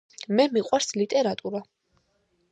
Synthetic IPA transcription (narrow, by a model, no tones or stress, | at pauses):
mɛmiqʼwaɾslit̪ʼɛɾat̪ʼuɾa